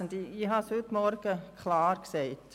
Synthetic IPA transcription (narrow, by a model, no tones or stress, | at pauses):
nd̪iiːɦɑshʉtmɔɾɡ̥əkʰlɑːɾksɛɪt